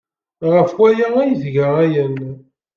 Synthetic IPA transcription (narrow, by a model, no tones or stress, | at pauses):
ʁəfwæjææjəθɡaʁæjən